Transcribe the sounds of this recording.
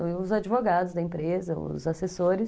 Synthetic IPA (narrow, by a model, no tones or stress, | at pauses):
ʊzad͡ʒivoɡad̪ʊzd̪ɐẽpɾezɐʊ̰zasesoɾɪ